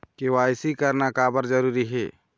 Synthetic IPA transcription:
kɪwaːɪsikəɾnakaːbəɾd͡ʒəɾuːɾiɦḛː

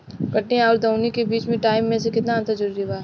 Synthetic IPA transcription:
kɐʈːeɔːɾd̪ɐːnikebiːt͡ʃmẽʈaːɪmːẽsekɪt̪naɐ̃nt̪əɾd͡ʒɐɾuːɾibaː

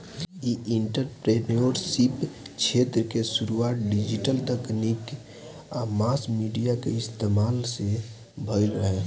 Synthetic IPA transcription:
jiiɳʈəɾpɾenoɾsipt͡ʃʰeːt̪ɾəkesuɾuaːt̪̚ɖid͡ʒiʈəlt̪əknik | amaːsmiɖijakeɪst̪emaːlse | bʱəjɾəɦe

